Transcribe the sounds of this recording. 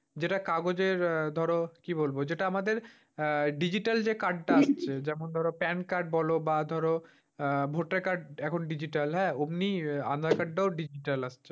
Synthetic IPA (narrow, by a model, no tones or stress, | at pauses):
d͡ʑeʈakaɡod͡ʑeɾd̪ʱɔɾokibolbod͡ʑeʈaamad̪eɾ | ɖid͡ʑiʈald͡ʑekaɖʈaast͡ɕʰed͡ʑɛmond̪ʱɔɾopɛnkaɾɖ̚bɔlobad̪ʱɔɾo | bʱoʈːakaɾɖɛkʰonɖid͡ʑiʈalɦɛːobnia̰nd̪akaɖːaoɖid͡ʑiʈalast͡ɕʰe